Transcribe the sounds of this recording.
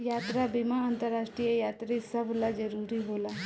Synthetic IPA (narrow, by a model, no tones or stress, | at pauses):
jaːt̪ɾabimaãnt̪əɾːaːʃʈɾijəjaːt̪ɾisɐbʱlad͡ʒəɾuːɾiɦoːla